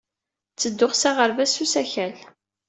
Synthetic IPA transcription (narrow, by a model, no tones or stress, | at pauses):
t͡sːəd̪ːʊχsaʁəɾvæsusæçæl